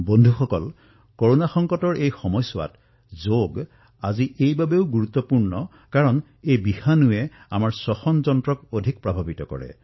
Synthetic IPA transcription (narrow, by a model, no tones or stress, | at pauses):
bondʱuxɔkɔl | koɹonaxɔŋkɔtɔɹejxɔmɔjsʊwa̰t | zoɡ | aziʔejbabeʊɡuɹut̪ːɔpuɹnɔ | kaɹɔn | ejbihanuɛ | a̰maɹsɔxɔnzɔntɹɔkodʱik̚pɹabʱabitɔkɔ̰ɹɛ̰